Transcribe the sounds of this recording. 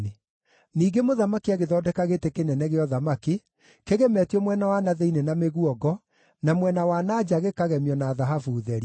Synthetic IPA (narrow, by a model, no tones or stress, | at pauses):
e | niːɡemoðamakiaɣeðɔːdɛkaɣetekenɛnɛɣeɔðamake | keɣemɛtiɔmwɛnawanaðɛinenameɣuɔɡɔ | namwɛnawanad͡ʒaɣekaɣɛmjɔnaðaɦafuðɛɾi